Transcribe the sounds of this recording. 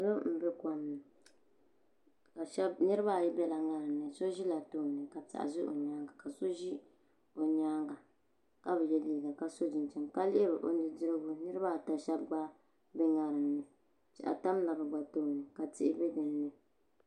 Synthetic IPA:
lo˦m̩˦bɛ˦ka˨mnɨ˨ | ka˨ʃɛ˦bnɨ˦ɾɨ˦ba˦˨jɛ˦bɛ˦la˨ŋa˦ɾɨ˨mnɨ˨so˦ʒi˦la˨to˦˨nɨ˨ka˨ta̰˨ʔa̰˨zɨ˦ʔo̰˨ɲaː˦ŋɡa˨ka˨so˦ʒi˦ | o˨ɲaː˦ŋɡa˨ | ka˦bɛ˨jɛ˦liː˦ɡa˨ka˨so˦d͡ʒɪ˨n˨t͡ʃɛ˨mka˦lɪ˦ʔɪ˦bɨ˨ʔo̰˨nɨ˦dɨ˦ɾɨ˦ɡʊ˦nɨ˦ɾɨ˦ba˦˨ta˨ʃɛ˦b̚ɡ͡ba˦ | bɛ˦ŋa˨ɾɨ˨mnɨ˨ | t͡ʃɛ̰˨ʔa̰˨ta˦m˦la˨bɛ˨ɡ͡ba˨to˦˨nɨ˨ka˨tɪ˦ʔɪ˦bɛ˦dɨ˨nːɨ˦

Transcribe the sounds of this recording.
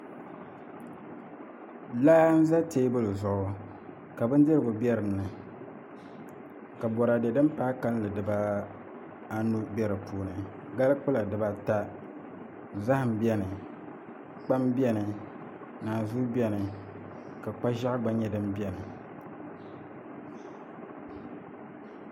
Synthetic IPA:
laː˦n̩˦za˦te˦ɪ˦bɨ˦lɨ˨zʊ˨ʔʊ˨ | ka˨bɨ˦n˦dɨ˦ɾɨ˨ɡʊ˨bʲɛ˦ɾɨ˨mnɨ˨ | ka˨bɔ˨ɾa˨dɛ˨dɨ˦m˦paː˦ka˦llɨ˨dɨ˨ba˦ | a˦nu˦bɛ˦ɾɨ˨pʰuː˨nɨ˨ | ɡa˦lɨ˦k͡pɨ˦la˨dɨ˨ba˦ta˦ | za˦hɨ˨m˨bi˦ɛ˦nɨ˨ | k͡pa˦mbɛ˦nɨ˨ | naː˨zu˦bi˦ɛ˦nɨ˨ | ka˨k͡pa˦ʒa˦ʔɡ͡ba˦ɲɛ˦dɨ˦m˦bjɛ˦nɨ˨

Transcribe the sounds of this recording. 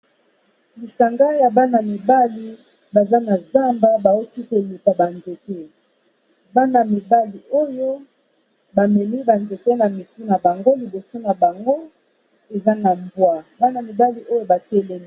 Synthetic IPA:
li˨sa˨ŋɡa˦ja˨ba˦na˨mi˨ba˦li˦ | ba˨za˦na˨za˦mba˦ba˨o˦ti˦ko˨li˨pa˨ba˨nze˨tɛ˦ | ba˦na˨mi˨ba˦li˨ʔo˦jo˦ | ba˨mɛ˨mi˦ba˨nze˨tɛ˦na˨mi˨tu˦na˨ba˨ŋɡo˦li˨bo˨so˦na˨ba˨ŋɡo˦ | e˨za˦na˨mbwa˦ba˦na˨mi˨ba˦li˨ʔo˦jo˦ba˨tɛ˦lɛ˦mi˨

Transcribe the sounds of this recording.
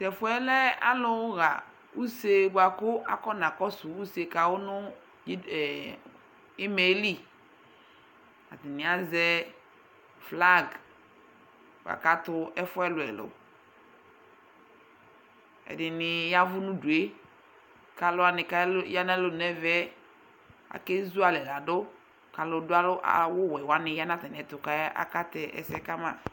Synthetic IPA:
tɛ˨fʊ˦ɛ˦lɛ˦a̰˦lʊ˦wʊ˦ɣa̰˨ | u˦se˨ɡ͡ba˨kʊ˦a̰˨kɔ˦nã˨kɔ˦sʊ˨u˦se˨ka˨wʊ˦nʊ̃˦˨ | ɪ˦me˨˦li˦ | a̰˨t̪ɪ˨nɪ̃˨a˦zɛ˦ | fla˦ɡ | ɡ̰a̰˨ka˦t̪ʊ˦ʔɛ˦fʊ˦ɛ˦lʊ˨ɛ̰˨lʊ̰˨ | ɛ̰˨dɪ˨nɪ˨ja˦vʊ˦nũ˦du˨e˦ | ka˨lʊ˦a˨nɪ˨ka˦lja˦na˦lʊ˦˨nɛ˦vɛ˦ | a̰˨ke˦zu˦a˨lɛ˨la˨dʊ˦ | ka˨lʊ˨dʊ˦a˦lʊ˦ʔa̰˨wʊ˦wɛ˨wa˨nɪ˨ja˦na˦t̪ɛ˨n˨ɛ˨t̪ʊ˨ka˦a̰˦ka˦t̪ɛ˨ʔɛ̰˨sɛ˦ka˦mã̰˨

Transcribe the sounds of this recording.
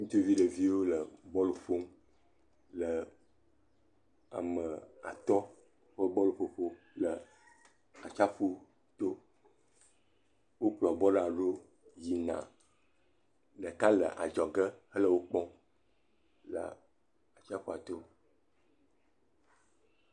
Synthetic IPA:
ŋũ˦t̪o˦vi˦ɖə˨vi˦wo˦lə˨bɔ˦lo˨ɸo˦m | lə˨ | a̰˨mə˨a̰˨t̪ɔ˦ | ɸə˦bɔ˦lo˨ɸo˨ɸo˦ | lə˨ | a˨t͡ʃa˦ɸo˦ | t̪o˦ | wo˦k͡plɔ˨bɔ˦ɖa˨ɖo˦ | ji˨nã̰˨ | ɖə˨ka˦lə̰˨ʔa̰˨d͡ʒɔ˨ɡə˦hə˦lə˦˨wo˦k͡pɔ˦ | lə̰˨ | a˨t͡ʃa˦ɸo˦a˨t̪o˦

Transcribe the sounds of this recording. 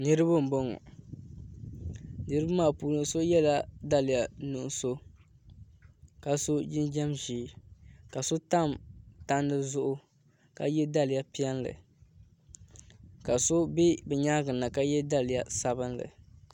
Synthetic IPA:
nɨ˦ɾɨ˦bɨ˦m̩˨bɔ˦ŋɔ̰˨ | nɨ˦ɾɨ˦ba˦maː˦˨puː˨lɨ˨˦so˦jɛ˦la˦da˦lɪ˨ja˨nu˨ʔso˦ | ka˨so˦d͡ʒɪ˦nd͡ʒɛ˦mʒi˨˦ka˨so˦ta˦mta˦ndɨ˦zʊ˦ʔʊ˦ | ka˨jɛ˦da˦lɪ˨ja˦pi˦ɛ˦nlɨ̰˨ | ka˨so˦be˦bɛ˨ɲaː˦ɡɨ˨nːa˨ka˦jɛ˦da˦lɪ˨ja˨sa˨bɨ˦nlɨ̰˨

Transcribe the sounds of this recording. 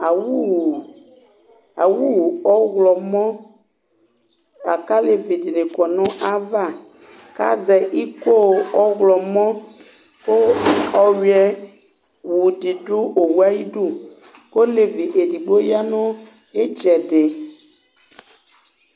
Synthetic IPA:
a˨wu˦˨ | a˨wu˦˨ɔ˦ɣlɔ˨mɔ̃˦ | a̰˨ka˦le˨vi˨di˨nɪ˨kɔ˨nɔ̃˦ʔa˦va˦˨ | ka̰˦zɛ˨ʔi˦ko˦˨ɔ˦ɣlɔ˨mɔ̃˦ | ko˦ɔ˨ɥi˨ɛ˨ | wu˨di˨dʊ˦o˨wu˦a˦ji˦du˦ | ko˦le˨vi˨ʔe˨di˨ɡ͡bo˦ja˦nɔ̃˦ | e˦t͡ʃɛ˨dɪ˨

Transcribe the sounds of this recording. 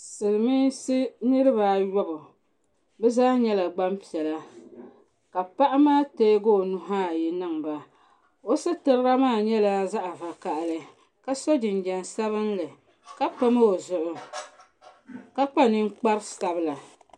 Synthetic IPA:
sɨ˨ɾɨ˨mi˦si˦nɨ˦ɾɨ˦ba˨jɔ˦bʊ˨ | bɛ˦zaː˦ɲɛ˦la˨ɡ͡ba˦mpi˨ɛ˨la˦ | ka˨pa˦ʔa˦maː˦teː˦ɡoː˦˨nu˦ɦaː˦˨ji˨nɨ˨ŋba˨ | o˦sɨ˦tɨ˨ɾɨ˦ɾa˦maː˦˨ɲɛ˦la˨za˦ʔa˨va˨ka˨ʔlɨ˨ | ka˦so˦d͡ʒɪ˨n˨d͡ʒɛ˨nsa˦βɨ˦nlɨ˨ | ka˦k͡pa˦ma˦o˨zʊ˨ʔʊ˨ | ka˦k͡pa˦nɨ˦ŋ˦k͡pa˦ɾsa˨bɨ˦la˨

